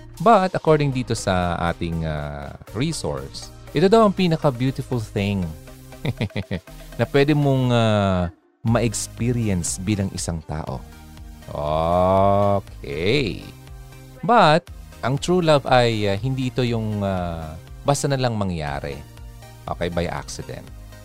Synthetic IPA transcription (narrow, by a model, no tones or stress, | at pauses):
bɐt̪ʔɐkoɹd̪ɪŋd̪iːt̪o̞sɐʔa̰ːt̪ɪŋa̰ɹiːso̰ɹs | ʔɛt̪od̪ɐwʔɐŋpiːnɐkɐbjuːt̪ɪfʊlθɪŋ | nɐpwɛd̪ɛmoŋa | mɐʔɛkspiɾɪjɛnsbiːlɐŋʔɪsaŋt̪a̰ːʔo̞̰ʔo | kʰɛ̰j | bɐt̪̚ | ʔɐŋt̪ɹuːlɐvɐjaɦɪnd̪iːʔɪt̪o̞jʊŋabaːst̪ɐnɐlɐŋmɐŋja̰ːɾɛ̰ | ʔo̰ːkɛjbɐjʔa̰k̚sɪd̪ɛ̰nt̪̚